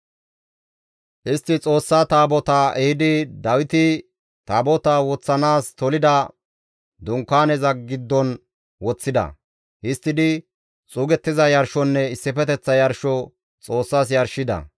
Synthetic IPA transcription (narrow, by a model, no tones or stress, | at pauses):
ʔɪst̪ːɪt͡sʼo̞ːsːaːt̪aːbɔt̪ɐɛhɪd̪ɪd̪ɐwɪt̪ɪ | t̪aːbɔt̪ɐwɔt͡sːɐnaːst̪ɔlɪd̪ɐ | d̪ʊŋkːaːnɛzɐɡɪd̪ːɔn | wɔt͡sːɪd̪ɐ̰ | hɪst̪ːɪd̪ɪ | t͡sʼuːɡɛt̪ːɪzɐjɐɾʃɔnːɛɪsːɪfɛt̪ɛt͡sːɐjɐɾʃɔ | t͡sʼo̞ːsːaːs̬jɐɾʃɪd̪ɐ̰